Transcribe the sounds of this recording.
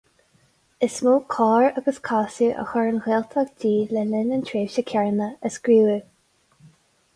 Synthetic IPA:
ɪsmuːkʰɑːɹəɡəskʰaːsjəʔə̰xaɹənɣeːlt̪ʰaɡdiːlɛlɪnənt̪ʰɹeːvʃəkʰɛɹnəəsɡ̥ɹuːə

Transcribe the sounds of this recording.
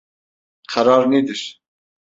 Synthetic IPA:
qʰæɾɑːɾnid̪iʃ

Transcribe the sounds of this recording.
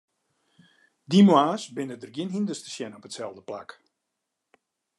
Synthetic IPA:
dimwaːsbɪnədərɡjɪnɦindəstə̥sjɛnɔpətsɛlˠdəpla̰k

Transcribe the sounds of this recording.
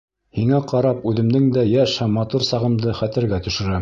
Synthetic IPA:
hiŋæqɑɾɑpʉðɘ̆md̪ɘŋd̪æjæʃhæmːɑt̪uɾsɑʁɤ̆md̪ɤχæt̪ɘ̆ɾɡæt̪ɵ̆ʃɵ̆ɾæ

